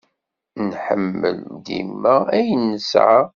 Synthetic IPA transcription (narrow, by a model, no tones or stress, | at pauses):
nħə̰mːə̰ld̪ḭmːææjənːəsʕa